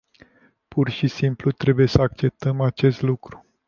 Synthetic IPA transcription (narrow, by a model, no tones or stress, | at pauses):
pʰurʃisimplut̪ɾe̞buje̞səak̚t͡ʃe̞p̚t̪əmat͡ʃe̞st̪lukɾu̥